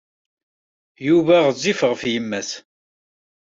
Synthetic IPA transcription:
juvæʁzːifʁəfjəmːæθ

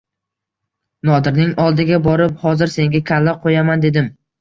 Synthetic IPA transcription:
nɒd̪ɪɾnɪŋɒlˠd̪ɪɡʲabɒɾɪp̚hɒzɪɾse̞ŋɡʲakʲʰalːaqʰojamand̪e̞d̪ɪm

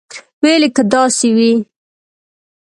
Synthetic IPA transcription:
welekəd̪ɑsewi

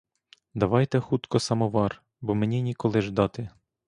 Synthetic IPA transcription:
d̪ɐʋɑjt̪ɛxut̪kɔsɐmɔʋɑr | bɔmenʲinʲikɔlˠɪʒd̪ɑt̪ɪ

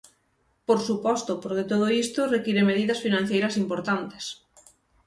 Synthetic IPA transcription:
poɾsupɔst̪ʊpoɾket̪oð̞oist̪ʊrekiɾemeð̞iðɐsfinãn̟θejɾɐsimpoɾt̪ant̪e̥s

